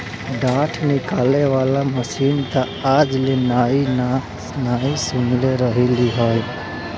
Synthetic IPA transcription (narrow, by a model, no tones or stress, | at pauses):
ɖ̪aːʈʰnɪkaːleʋaːlaməsiːnt̪a | aːd͡ʒlenaːi | naːisʊ̃ŋleɾəɦiliɦaj